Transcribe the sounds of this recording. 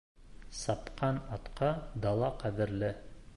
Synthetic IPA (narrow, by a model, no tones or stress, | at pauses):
sɑpqɑnɑt̪qɑd̪ɑlˠɑqæðɘ̆ɾlɘ